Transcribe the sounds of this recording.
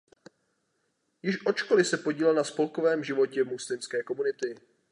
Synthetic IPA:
jɪʃʔo̞t͡ʃko̞lɪsɛpoɟiːlɛlnaspo̞lkovɛːmʒɪvo̞cɛmuslɪmskɛːko̞munɪt̪ɪ

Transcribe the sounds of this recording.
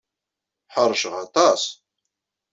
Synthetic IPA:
ħəɾˤʃəʁɑt̪ˤɑs

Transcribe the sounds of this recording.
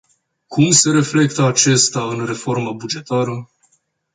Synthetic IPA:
kumse̞ɾe̞fle̞kt̪əat͡ʃe̞st̪aɨnre̞fo̞rməbud͡ʒe̞t̪aɾə

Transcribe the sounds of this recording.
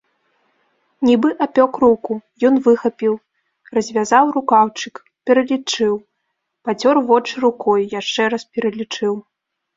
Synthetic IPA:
nʲibɨʔapʲɔkɾukujɔnvɨxɐpʲiw | rɐzʲvʲazawrukawt͡ʂɨk | pʲɛɾɐlʲit͡ʂɨw | pat͡sʲɔrvɔt͡ʂɨɾukɔjjaʂt͡ʂɛɾɐspʲɛɾɐlʲit͡ʂɨw

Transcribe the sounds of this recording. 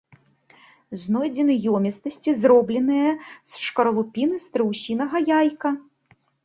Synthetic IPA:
znɔjd͡zʲɛnɨjɔmʲɛst̪ɐsʲt͡sʲizrɔblʲɛnɨjɐsʂkɐɾɐlˠupʲinɨst̪ɾɨwsʲinɐɣɐjajkɐ

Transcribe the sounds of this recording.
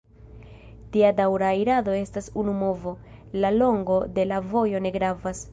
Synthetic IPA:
tiadawɾaːjɾado̞e̞stasunumo̞vo̞ | lalo̞ŋɡo̞de̞lavo̞jo̞ne̞ɡɾavas

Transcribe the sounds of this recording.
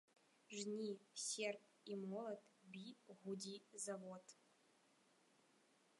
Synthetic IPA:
ʐnʲisʲerpʼ | imolˠɐtʰʼbiʁʷudʲizɐvotʰʼ

